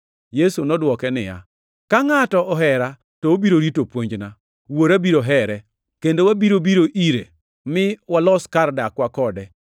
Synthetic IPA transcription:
jesunɔdwɔkɛnɪja̰ | kaŋatɔʔɔɦɛɾa | tɔobiɾoɾitopwoɲd͡ʒna | woɾabiɾoɦɛɾɛ | kendowabiɾobiɾoʔiɾḛ | mɪwalɔskardakwakɔdɛ

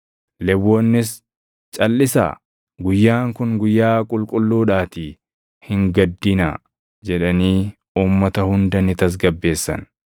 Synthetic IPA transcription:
lɛwːɔnːɪs | t͡ʃʼɐlːɪsa̰ː | ɡʊjːaːŋkʊŋɡʊjːaːkʼʊlkʼʊlːuːᶑaːt̪ɪ | hɪŋɡɐd̪ːɪna̰ | d͡ʒɛᶑɐniː | uːmːɐt̪ɐhʊnd̪ɐnɪt̪ɐs̬ɡɐbːe̞ːsːɐ̰n

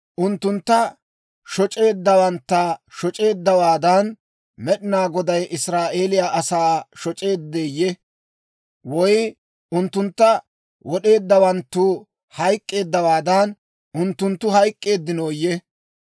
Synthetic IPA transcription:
ʔʊnt̪ːʊnt̪ːɐ | ʃɔt͡ʃʼe̞ːd̪ːɐwɐnt̪ːaʃɔt͡ʃʼe̞ːd̪ːɐwaːd̪ɐn | mɛɗɪnaːɡɔd̪ɐjʔɪsɾaːʔe̞ːlɪjaʔɐsaːʃɔt͡ʃʼe̞ːd̪ːeːjːɛ | wɔj | ʊnt̪ːʊnt̪ːɐ | wɔɗe̞ːd̪ːɐwɐnt̪ːu | hɐjkʼːe̞ːd̪ːɐwaːd̪ɐn | ʔʊnt̪ːʊnt̪ːʊhɐjkʼːe̞ːd̪ːɪnoːjɛ

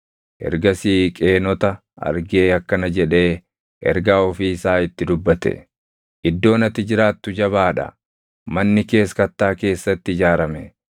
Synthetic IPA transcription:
ʔɛ̰ɾɡɐsiːkʼe̞ːnɔt̪ɐ | ʔɐ̰ɾɡe̞ːɐkːɐnɐd͡ʒɛᶑe̞ː | ʔɛ̰ɾɡaːɔfiːɪsaːɪt̪ːɪd̪ʊbːɐt̪ɛ̰ | ʔɪd̪ːo̞ːnɐt̪ːɪd͡ʒɪɾaːt̪ːʊd͡ʒɐβaːᶑɐ̰ | mɐnːɪke̞ːskɐt̪ːaːke̞ːsːɐt̪ːɪɪd͡ʒaːɾɐmɛ

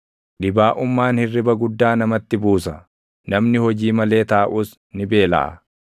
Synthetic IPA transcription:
ᶑɪbaːʔʊmːaːnhɪrːɪbɐɡʊd̪ːaːnɐmɐt̪ːɪbuːsɐ | nɐmnɪhɔd͡ʒiːmɐle̞ːt̪aːʔuːs | nɪbe̞ːlɐ̰ʔɐ̰

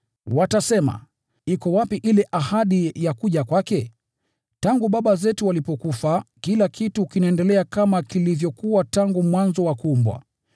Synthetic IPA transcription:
watasɛma̰ | ikɔwapiʔilɛʔahaɗijakuʄakwakɛ | taŋɡuɓaɓazɛtuwalipɔkufakilakʰituːkinɛndɛlɛakamakilivjɔkuwataŋɡumwanzɔwakumbwa̰

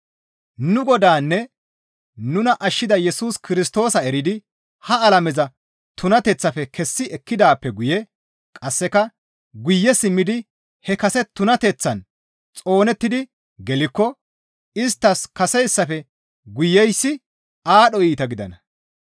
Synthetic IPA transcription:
nʊɡɔd̪aːnːɛ | nʊnɐʔɐʃːɪd̪ɐjɛsuːskɪɾɪst̪o̞ːsɐɛɾɪd̪ɪ | hɐɐlɐmɛzɐ | t̪ʊnɐt̪ɛt͡sːɐfɛkʰɛsːɪɛkːɪd̪aːpːɛɡʊjɛ | kʼɐsːɛkɐ | ɡʊjːɛsɪmːɪd̪ɪ | hɛkɐsɛt̪ʊnɐt̪ɛt͡sːɐn | t͡sʼo̞ːnɛt̪ːɪd̪ɪ | ɡɛlɪkːɔ | ɪst̪ːɐskɐsɛjsːɐfɛ | ɡʊjːɛjsːɪ | aːɗɔiːt̪ɐɡɪd̪ɐ̰nɐ

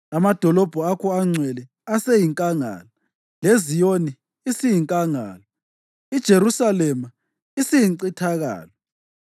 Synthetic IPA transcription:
amad̥ʱɔlɔb̥ʱɔakʰɔaŋ͡ǀʱwɛlɛ | asejiŋkʼaŋa̰ːlɔ | lezijoni | isijiŋkʼaŋa̰ːlɔ | id̥ʒ̥ʱeɾusalɛma | isijiǀitʰaɣa̰ːlɔ

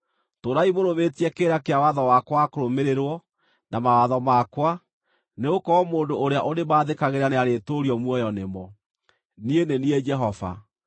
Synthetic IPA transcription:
toɾaimoɾoβetiɛkeɾakeawaðɔwakwakoɾomeɾeɾwɔ | namawaðɔmakwa | neokɔːmoːndoʔːɾeaʔonemaːðekaɣeɾaneaɾetoɾiɔmwɔjɔnemɔ | nieneniɛd͡ʒɛɦɔva̰

